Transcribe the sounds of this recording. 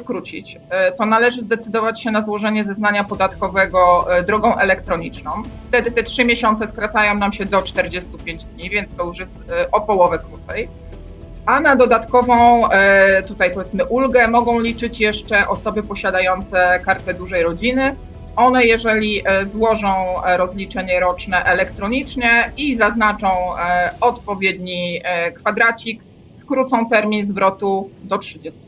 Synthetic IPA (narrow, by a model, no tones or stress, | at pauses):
t̪kɾut͡ɕḭt͡ɕ | t̪ɔnalɛʐɘzd̪ɛt̪sɘd̪ɔvat͡ɕɕɛnazwɔʐɛɲɛzɛznaɲapɔd̪at̪kɔvɛɡɔd̪ɾɔɡɔ̃w̃ʔɛlɛkt̪ɾɔɲit͡ʂnɔ̃w̃ft̪ɛd̪ɘt̪ɛtʂɘmʲjeɕɔnt̪sɛskɾat̪sajɔ̃w̃namɕɛd̪ɔt͡ʂt̪ɛɾd͡ʑɛst̪upʲjeɲd͡ʑd̪ɲivʲjɛnt̪t̪ɔjuʂjɛst̪ʔɔpɔwɔvɛkɾut̪sɛj | ʔanad̪ɔd̪at̪kɔvɔ̃w̃t̪ut̪ajpɔvʲjɛt̪mɘʔulɡɛmɔɡɔ̃w̃lʲit͡ʂɘt͡ɕjɛʂt͡ʂɛʔɔsɔbɘpɔɕad̪ajɔnt̪sɛkaɾt̪ɛd̪uʐɛjɾɔd͡ʑinɘ | ʔɔnɛjɛʐɛlʲiʔzwɔʐɔ̃w̃ɾɔzlʲit͡ʂɛɲɛɾɔt͡ʂnɛʔɛlɛkt̪ɾɔɲit͡ʂɲɛizaznat͡ʂɔ̃w̃ɔt̪pɔvʲjed̪ɲikfad̪ɾat͡ɕik | skɾut̪sɔ̃w̃t̪ɛɾmʲinzvɾɔt̪ud̪ɔtʂɘd͡ʑɛst̪u